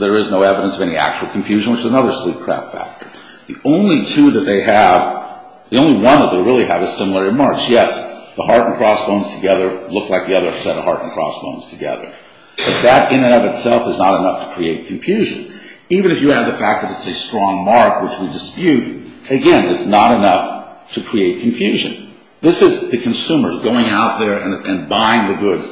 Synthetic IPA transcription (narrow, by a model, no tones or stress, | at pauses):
ðə˞ɨznoʊɛvəɾə̃nsʌvɛñiæ̰k̚t͡ʃuwl̩ˠkʰɨ̃ɱfjʉʒɨ̃n̩wɨt͡ʃɨzənʌðə˞slip̚kʰɹ̥æ̰ftfæ̰k̚tə˞ | ðiʔõʊ̃nlitʰʉðɨt̪̚ðeɪɨv̥ | ðiõʊ̃nliwʌ̃nðət̪̚ðeɪɹɪlˠiəvɨz̥sɪ̃ml̩ˠə˞ɨmɑɹksjɛsðəhɑɹɾn̩kʰɹ̥ɔsb̥õʊ̃nz̥tʰɨɡɛðə˞lʊkslaɪk̚ðiʌðə˞sɛɾəhɑɹɾn̩kʰɹ̥ɔ̰sb̥õ̰ʊ̃nz̥tʰɨɡɛ̰ðə̰˞ | b̥ʌt̪̚ðɨɾɪ̃nɨ̃nʌvɨtsɛlˠfɨznəɾɨnʌftʰə̥kʰɹ̥ieɪt̚kʰɱfjʉʒɨ̰̃nivɨ̃nɨfjɨːvðɨfæk̚ðɨɾɨtsɨstɹ̥ɔ̃ŋmɑɹkwət͡ʃwidɨspjʉɾɨɡɛ̃nɨtsnəɾɨnʌf | tʰɨkʰɹ̥ieɪt̚kʰɨ̃ɱfjʉʒɨ̰̃n | ðɪsɨzðɨkʰɨ̃n̩sʉ̃mə˞zɡoʊɪ̃ŋaʊt̪̚ðə˞ɨ̃nɨ̃nbãɪɪ̃ŋðɨɡʊdz̥